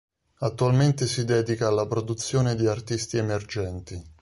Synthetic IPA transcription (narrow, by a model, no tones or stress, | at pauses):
at̪ːualment̪esid̪ɛːd̪ikaːlːapɾod̪ut̪sːjoːned̪iart̪ist̪iemerd͡ʒɛnt̪i